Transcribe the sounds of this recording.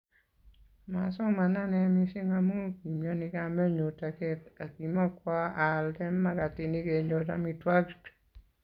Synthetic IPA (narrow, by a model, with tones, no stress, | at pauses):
ma˨sɔ˦ma˨na˦nɛ˨mi˦si˦ŋa˦mo˦ki˨mjɔ˦nɪ˧ka˦mɛ˦ɲo˨ta˨kɛ˦ta˨ki˨ma˦kwa˦a˨ldɛ˦mːa˦ka˨tɪ˨ni˦ke˨ɲo˨ta̰˨mi˨twa˦kt